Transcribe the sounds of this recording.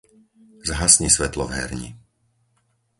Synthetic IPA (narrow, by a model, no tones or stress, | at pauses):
zɦasɲisʋɛt̪lɔvɦɛ̰ɾɲḭ